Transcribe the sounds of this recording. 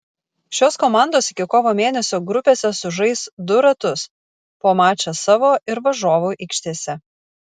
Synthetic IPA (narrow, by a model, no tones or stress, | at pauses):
ʃʲoːskoːmɑˑnd̪oːsɪkʲɪkoːʋoːmʲeːnʲɛsʲoːɡɾʊpʲeːsʲɛsʊʒɐɪsd̪ʊɾɐt̪ʊs | poːmɑːt͡ʃʲɛsɑːʋoːʔɪɾʋɐʒoːʋuːʔɪkʃʲt̪ʲeːsʲɛ